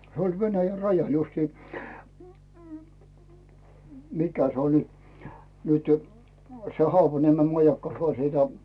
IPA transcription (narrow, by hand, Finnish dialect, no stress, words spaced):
se olʲ ʋenæjæ rɑjɑl justiː m m mikæ se olʲi nytẙ se hoɑpɑniemem mɑjɑkːɑ jɑ jɑ